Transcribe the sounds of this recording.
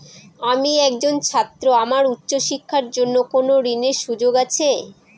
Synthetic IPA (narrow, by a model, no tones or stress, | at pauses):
amiɛk̚d͡ʑont͡ɕʰat̪ːɾoamaɾutːɕoʃikʰːaɾd͡ʑonːokonoɾineɾʃud͡ʑoɡat͡ɕʰe